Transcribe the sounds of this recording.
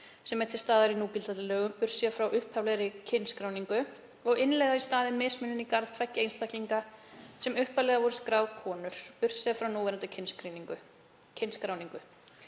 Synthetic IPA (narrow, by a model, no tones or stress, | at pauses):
sɛmɛɾt̪ʰɪlst̪aːðaɾinuːcɪlt̪at̪ɪlɛːɣʏmpʏɾ̥siðafɾawʔʏhphavlɛɾɪcʰɪnskɾaːwniŋkʏ | ɔɣɪnlɛjɣðaist̪aːðɪmːɪsmʏnɪnikaɾð̥t̪ʰvɛhcːɪejnst̪ahcliŋkasɛmʏhphavlɛɣavɔɾɪskɾaːwðkʰɔːnʏɾ̥pʏr̥sɛðafɾawnuːvɛɾant̪ɪcʰɪnskɾiniŋkʏ | cʰɪnskɾaːwniŋkʏ